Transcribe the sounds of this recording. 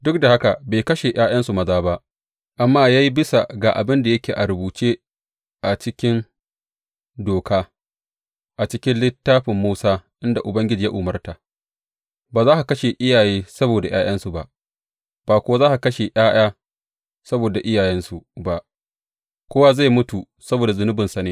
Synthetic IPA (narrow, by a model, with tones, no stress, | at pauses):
dʊ˦k̚da˨ha˦ka˨beː˨jkɐ˦ʃe˨j̰ʔaː˦jɐ˦nsu˨mɐ˦zaː˦ba˦ʔ | ʔa˨mːaː˦ja˦ji˦bɪ˦sa̰˨ɡaː˨ʔa˨bɪ˦nda˨jɐ˦kʲeː˨ʔa˨ɾʊ˨buː˨t͡ʃeː˦ | ʔa˨t͡ʃɪ˦kʲɪ˦n | doː˨kaː˦ | ʔa˨t͡ʃɪ˦kʲɪ˦nlɪ˦tːaː˦ɸɪ˨mːuː˦saː˦ʔɪ˦nda˨ʔʊ˨bɐ˦ŋɡʲɪ˦d͡ʒiː˨ja˦ʔʊ˨mɐ˦rta˨ | baː˨zaː˦ha˨kɐ˦ʃe˨ʔɪ˦jaː˨jeː˦sɐ˦boː˨da˨j̰aː˦j̰ɐ˦nsu˨ba˦ʔ | b̥aː˨kʷʊ˦a˦zaː˦ʔa˨kɐ˦ʃe˨j̰aː˦j̰aː˦ | sɐ˦boː˨da˨ʔɪ˦jaː˨jɛ˦nsu˨ba˨ʔ | kʷoː˦wa˦za˦˨mʊ˦tu˨ | sɐ˦boː˨da˨zʊ˦nʊ˦bɪ˨nsa˨neː˦